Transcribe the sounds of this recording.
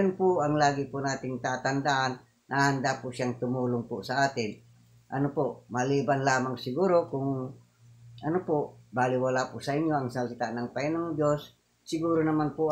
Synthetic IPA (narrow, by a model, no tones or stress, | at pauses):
onpʊʔɐŋlaːɡɪpʊnaːt̪ɪŋt̪aːt̪and̪aʔanː | ahand̪apʊsjaŋt̪ʊmuːlʊŋpʊsɐʔaːt̪ɪn | ʔɐnopomaliːbanlaːmaŋsɪɡuːɾokʊŋ | ɐnopʊʔbaːlɪwalapʊʔsɐiɲjoɐŋsalsɪt̪aʔnɐŋpaɪnaŋd͡ʒosː | ɪɡuːɾonɐmanpʊ